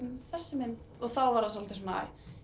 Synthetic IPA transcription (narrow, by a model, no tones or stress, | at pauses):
mθɛsːɪmɪnt̪ɔɣθawvaɾasɔlt̪ɪsɔnaa̰j